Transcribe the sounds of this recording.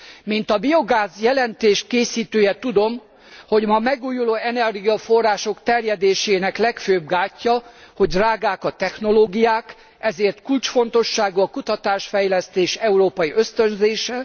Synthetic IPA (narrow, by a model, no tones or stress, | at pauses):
mint̪ɒbio̞ɡaːzjɛlɛnt̪eːʃkeːsiːt̪øːjɛt̪ud̪o̞m | ho̞ɟmɒmɛɡuːjuloːɛnɛrɡiɒfo̞rːaːʃo̞kt̪ɛrjɛd̪eːʃeːnɛklɛkføːbɡaːcːɒho̞ɟd̪raːɡaːkɒt̪ɛxno̞loːɡijaːk | ɛzeːrt̪kult͡ʃfo̞nt̪o̞ʃːaːɡuɒkut̪ɒt̪aːʃfɛjlɛst̪eːʃɛuɾoːpɒjiʔøst̪ø̞nzeːʃɛ